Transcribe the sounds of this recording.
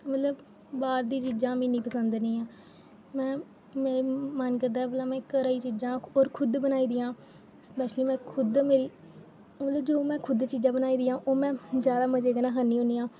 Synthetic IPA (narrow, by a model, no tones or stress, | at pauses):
mət̪ləb | baːɾd̪iːt͡ʃiːd͡ʒãːmĩːnĩːpəsənd̪nĩːãː | mɛ̃ː | meːɾemənkəɾd̪aːɛbəlaːmɛ̃ːkəɾaːiːt͡ʃiːd͡ʒãːoːɾkʰʊd̪bənaːiːd̪ɪjãː | bɛːʃniːmɛ̃ːkʰʊd̪meːɾiː | mət̪ləbd͡ʒoːmɛ̃ːkʰʊd̪t͡ʃiːd͡ʒãːbənaːiːd̪ɪjãːʔoːmɛ̃ːd͡ʒjaːd̪aːməd͡ʒeːɡənãːɦənĩːɦõːniːãː